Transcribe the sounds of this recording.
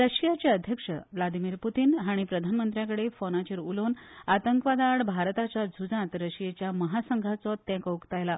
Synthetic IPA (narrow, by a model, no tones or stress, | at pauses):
ɾəɕijat͡ɕeəd̪ʱjəkʂə̰ʋlad̪imiːɾput̪iːnɦaɽ̃ipɾəd̪ʱanmənt̪ɾjãkəɽefɔnat͡ɕiɾulonat̪əŋkʋad̪aɽbʱaɾt̪at͡ɕjad͡zʱud͡zãt̪ɾəɕijet͡ɕjaməɦasəŋɡʱat͡sɔt̪ːɛ̃kəukt̪ajla